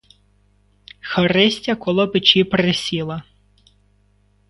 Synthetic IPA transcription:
xɐɾɪsʲtʲɐkɔlˠɔpɪt͡ʃipɾɪsʲilˠɐ

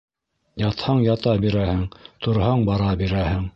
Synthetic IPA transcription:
jɑt̪hɑɴjɑt̪ɑbiɾæhɘŋt̪ŏɾhɑɴbɑɾɑbiɾæhɘŋ

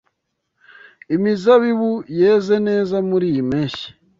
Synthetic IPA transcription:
imizaβiβujeːzeneːzamuɾimeʃi̥

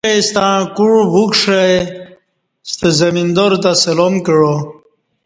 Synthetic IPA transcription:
est̪ãkuɻbukʂaj | st̪əzɐmind̪oɾt̪aselomkəɻo

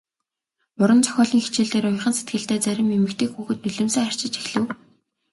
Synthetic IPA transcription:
ʊɾə̆nt͡sʰɔ̥xʲɔːɮiːŋxet͡ɕeːɮt̪eːɾʊjχə̆nset̪̚ɡɘ̆ɬt̪eːt͡sæɾʲɪ̆memɘ̆kt̪ʰeːkxuːxɘ̆t̪̚nɵɮɵ̆mseːχar̥t͡ɕɪ̆t͡ɕexɮɘ̆w

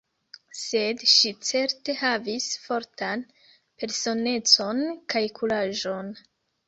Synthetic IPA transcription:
se̞dʃit͡se̞ɾte̞havisfo̞ɾtʰan | pe̞ɾso̞ne̞t͡so̞nkajkulaʒo̞n

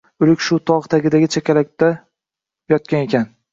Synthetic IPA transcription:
ʊlɪkʲʃʊt̪ʰɒʁt̪ʰaɡʲɪd̪aɡʲɪt͡ʃʰakʲʰalak̚ʲt̪a | jɒt̪kʲane̞kʲʰan

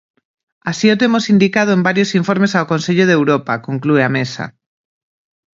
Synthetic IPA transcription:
asiot̪emosind̪ikað̞oembaɾjosiɱfoɾmesaokonseʎoð̞ewɾopakoŋklueamesa̰

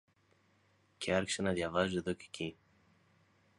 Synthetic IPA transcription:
cʰeɐɾçi̥se̞nɐðʝɐvɐzueðo̞ce̥cʰi

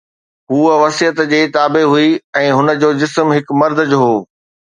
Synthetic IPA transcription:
ɦuːəʋɐsijət̪d͡ʑeːt̪aːbeɦuiɛ̃ːɦʊnə̆d͡ʑoːd͡ʑɪsmɦɪkmɐɾd̪ʱd͡ʑoɦoː

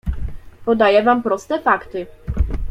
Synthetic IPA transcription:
pɔd̪ajɛvampɾɔst̪ɛfakt̪ɘ

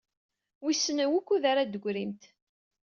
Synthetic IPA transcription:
wisːənəwukʷːuðaɾad̪əɡʷɾimt̪

